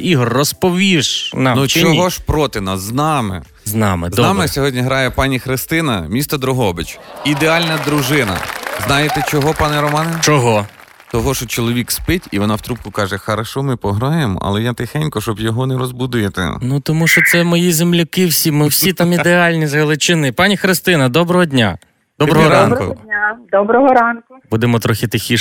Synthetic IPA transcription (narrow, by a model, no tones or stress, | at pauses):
iɦɔrːɔspɔʋʲiʃnɑmnut͡ʃɔɦɔʃpɾɔt̪ɪnɑsznɑmɪ̰ | znɑmɪdzɔnɑmɪsʲɔɦɔdʲnʲiɦɾɑjɛpɑnʲixɾɪst̪ɪnɐmʲist̪ɐd̪ɾʊɦɔbɪt͡ʃid̪eɑlʲnɐd̪ɾʊʒɪnɐ̰znɑjet̪ɛt͡ʃɔɦɔpɑnɛɾɔmɑnɛnt͡ʃɔɦɔ | t̪ɔɦɔʃɔt͡ʃɔlˠɔʋʲikspɪtʲiʋɔnɑwt̪ɾup̚kʊkɑʒɛxɐɾɐʃɔmɪpɔɦɾɔjemɔ̰ʔɐ̰lˠɛjat̪ɪxɛnʲkɔʃt͡ʃɔbjɔɦɔnɛɾɔzbud̪ʊjet̪ɪ̰nut̪ɔmuʃt͡ʃɔt̪sɛmɔjizemlʲʊkɪwsʲimɪwsʲit̪ɑmid̪eɑlʲnʲizɦɐlˠɪt͡ʃɪnɪpɑnʲixɾɪst̪ɪnɐd̪ɔbɾɔɦɔdʲnʲa̰ | d̪ɔbbɾɔɦɔɾɑnʊad̪ɔbɾɔɦɔɾɑnkʊbud̪emɔt̪ɾɔxʲɪt̪ɪxʲi